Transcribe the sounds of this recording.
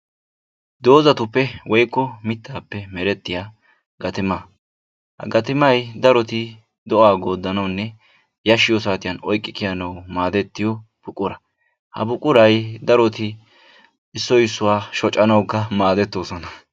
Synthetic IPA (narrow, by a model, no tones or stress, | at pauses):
d̪o̞ːzɐt̪ʊpːɛwɔjkːɔmɪt̪ːaːpːɛmɛɾɛt̪ːɪjaː | ɡɐt̪ɪmɐ | hɐ̰ɡɐt̪ɪmɐjd̪ɐɾɔt̪ɪ | d̪ɔʔaːɡo̞ːd̪ːɐnɐwnːɛ | jɐʃːɪjɔsaːt̪ɪjɐnɔjkʼːɪkɪjɐnɐwmaːd̪ɛt̪ːɪjɔ | b̥ʊkʼːʊɾɐ | hɐ̰bʊkʼʊɾɐjd̪ɐɾɔt̪ɪ | ɪsːɔjɪsːʊwaːʃɔt͡ʃʼːɐnɐwkːɐmaːd̪ɛt̪ːo̞ːsɔnɐ